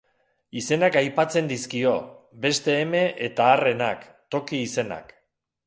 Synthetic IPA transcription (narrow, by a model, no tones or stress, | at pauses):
ise̞nakajpat͡se̞nd̪iskio̞ | be̞st̪e̞ːme̞ʔet̪aːre̞nak | t̪o̞kiːse̞na̰k